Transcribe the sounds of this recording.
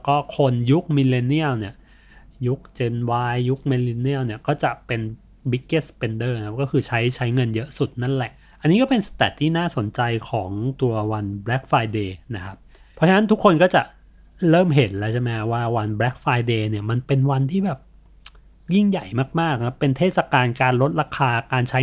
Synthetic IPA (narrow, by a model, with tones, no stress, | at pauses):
kɔː˥˩kʰo˧nju˦˥k̚mi˧le˧ni˥˩əwni˥˩ə | ju˦˥k̚t͡ɕe˧nwaː˧˥jːu˦˥k̚mi˧li˧ni˥˩əwni˥˩əkɔː˥˩t͡ɕa˨˩ʔpe˧n | bi˦˥kːeː˥˩spe˧ndɤː˥˩akʰa˦˥p̚kɔː˥˩kʰɯː˧t͡ɕʰa˦˥jt͡ɕʰa˦˥jŋɤ˧njɤ˦˥ʔsu˨˩t̪̚na˥˩nlɛ˨˩ʔ | ʔa˧nːiː˦˥kɔː˥˩pe˧nsḁ˧t̪ɛ˨˩t̪ʰːiː˥˩naː˥˩so˨˩˦nt͡ɕa˧jkʰɔː˩˦ŋt̪u˧ɐwa˧nbɾɛː˦˥k̚faː˧jdeː˧na˦˥kʰa˦˥p̚ʰː | ɾɔ˦˥t͡ɕʰa˧na˦˥nt̪ʰu˦˥kʰːo˧nkɔː˥˩t͡ɕa˨˩ʔ | ɾɤː˥˩mɦe˩˦nlɛ˦˥wt͡ɕʰe˥˩mɛ˦˥kʰa˦˥waː˥˩wa˧nbɾɛ˦˥k̚faː˧jdeː˧ni˥˩ɐma˧npe˧nwa˧nt̪ʰiː˥˩bɛː˨˩p̚ | ji˥˩ŋja˨˩jmaː˥˩k̚maː˥˩kːa˦˥pːe˧nt̪ʰeː˥˩t̪̚sa˨kaː˧nkaː˧nɾo˦˥t̪̚ɾaː˧kʰaː˧kaː˧nt͡ɕʰa˦˥